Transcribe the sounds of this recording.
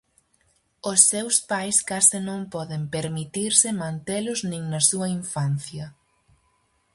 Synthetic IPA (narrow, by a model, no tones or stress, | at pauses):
ʊsːewspajskasɪnõŋpɔðɪmpeɾmit̪iɾsɪmãnt̪elʊznĩŋnɐsuɐiɱfanθjɐ